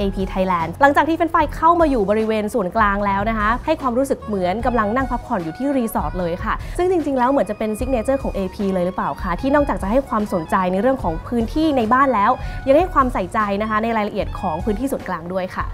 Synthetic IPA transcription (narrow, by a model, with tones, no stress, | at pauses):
ʔeː˧pʰiː˧t̪ʰa˦˥jlɛː˧nla˨˩˦ŋt͡ɕaː˨˩t̪ʰiː˥˩e˧nfa˧jkʰa˥˩wmaː˧juː˨˩bɔ˧ɾi˦˥weː˧nsu˨˩ənklaː˧ŋlɛː˦˥wna˦˥kʰa˦˥ha˥˩jkʰwaː˧mɾuː˦˥sɯ˨˩k̚mɯ˩˦ənka˧mla˧ŋna˥˩ŋpʰa˦˥p̚pʰɔ˨˩njuː˨˩t̪ʰiː˥˩ɾiː˧sɔː˦˥t̪̚lɤː˧jkʰa˥˩sɯ˥˩t͡ɕi˧ŋt͡ɕi˧ŋlɛː˦˥wmɯ˨˩˦nt͡ɕa˨˩pe˧nsi˦k̚neː˧t͡ɕɤː˥˩kʰɔː˩˦ŋʔeː˧pʰiː˧lɤː˧jɾɯ˩˦˥paː˨˩wkʰa˥˩t̪ʰiː˥˩nɔː˥˩k̚t͡ɕaː˨˩k̚t͡ɕa˨˩ha˥˩jkʰwaː˧mso˨˩˦nt͡ɕa˧jna˧jɾɯ˥˩əŋkʰɔː˩˦ŋpʰɯː˦˥nt̪ʰiː˥˩na˧jbaː˥˩nlɛː˦˥wja˧ŋha˥˩jkʰwaː˧msa˨˩jt͡ɕa˧jna˦˥kʰa˦˥na˧jɾaː˧jla˧ʔi˨˩ət̪̚kʰɔː˩˦ŋpʰɯː˦˥nt̪ʰiː˥˩su˨˩˦nklaː˧ŋdu˥˩əjkʰa̰˥˩